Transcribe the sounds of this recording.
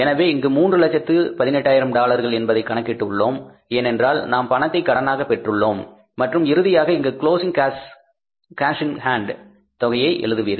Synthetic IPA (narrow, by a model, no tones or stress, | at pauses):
ɛnɐʋeːɪŋɡɯmuːndrɯlɐt͡ʃːɐt̪ːɯpɐðɪnɛʈːaːjɪɾɐmɖaːɭɐɾɣɐɭɛnbɐðɐɪkːɐɳɐkːɪʈːɯɭːoːm | eːnɛndraːlnaːmpɐɳɐt̪ːɐɪkːɐɽɐnaːɣɐpɛʈrɯɭːoːmː | ɐʈrɯmɪɾɯðɪjaːɣɐɪŋɡɐkɪɭoːsɪŋkas | kaːsɪŋhaːɳɖ | t̪ɔɣɐjɐɪʔɛ̰ɭɯðɯʋiːɾɯ